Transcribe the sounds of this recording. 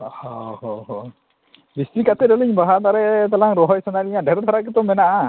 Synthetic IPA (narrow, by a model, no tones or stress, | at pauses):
ɔhɔhɔɦɔ | bist̪ikat̪ɛdɔliɲbaɦat̪aɾɛʔt̪alaŋɾɔɦɔjsanaɾiɲadɛɾt̪ʰaɾak̬ɛt̪ɔmɛnaʔa